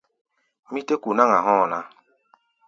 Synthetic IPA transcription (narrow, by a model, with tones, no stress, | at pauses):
mi˦te˦ku˨na˦ŋa˨ɦɔ˦˨na˦